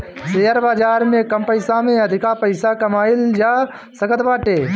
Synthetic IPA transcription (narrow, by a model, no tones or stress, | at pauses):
seːəɾbaːd͡ʒaːɾmẽkəmpəɪsamẽɐd̪ʱɪkapəɪsakɐmaːɪld͡ʒaː | səɡət̪baːʈeː